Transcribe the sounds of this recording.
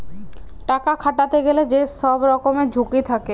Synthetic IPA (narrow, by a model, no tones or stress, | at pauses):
ʈakakʰaʈat̪eɡeled͡ʑeʃɔbɾɔkomed͡ʑʱukit̪ʰake